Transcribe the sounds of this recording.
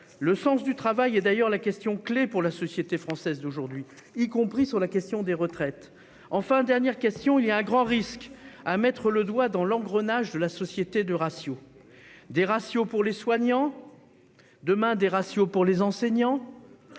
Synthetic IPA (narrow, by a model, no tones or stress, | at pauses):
ləsɑ̃s̬d̪yt̪χavajɛd̪ajœʁlakʲɛst̪jɔ̃klepuʁlasɔsjet̪efχɑ̃sɛzd̪oʒuʁd̪ɥi | ikɔ̃pχisyʁlakʲɛst̪jɔ̃d̪eʁət̪χɛt̪ | ɑ̃fɛ̃d̪ɛʁnjɛʁkʲɛst̪jɔ̃iliaɛ̃ɡʁɑ̃ʁiskamɛt̪χələd̪wad̪ɑ̃lɑ̃ɡʁənaʒd̪əlasɔsjet̪ed̪əʁasjo | d̪eʁasjopuʁleswaɲɑ̃ | d̪əmɛ̃d̪eʁasjopuʁlezɑ̃sɛɲɑ̃